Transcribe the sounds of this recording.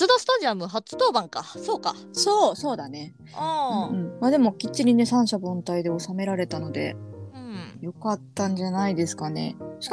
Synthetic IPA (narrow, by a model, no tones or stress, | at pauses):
t͡sɨd̪osɨ̥t̪aʑiamɯ̟ɦat͡sɨ̥t̪o̞ːbãŋkaso̞ːka | soːso̞ːd̪ane | ɯ̃ɯ̟̃ɴmaːd̪e̞mo̞kʲit͡ɕːiɾʲine̞sãɰ̃ɕabõ̞nt̪aid̪e̞o̞same̞ɾaɾe̞t̪ano̞d̪e̞̰ | jo̞kat̪ːãɲ̟d͡ʑanaid̪e̞sɨ̥kane̞̰ɕi̥ka